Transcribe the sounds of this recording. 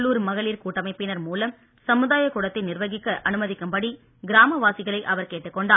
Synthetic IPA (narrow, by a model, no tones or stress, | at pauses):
ɭːuːɾmɐɣɐɭiːɾkuːʈːɐmɐɪpːɪnɐɾmuːlɐm | sɐmɯðaːjɐkːuɽɐt̪ːɪnɪrʋɐɣɪkːɐʔɐnɯmɐðɪkːɯmbɐɽi | ɡɪɾaːmɐʋaːsɪɣɐɭɐɪʔɐʋɐɾkeːʈːɯkːɔɳɖaː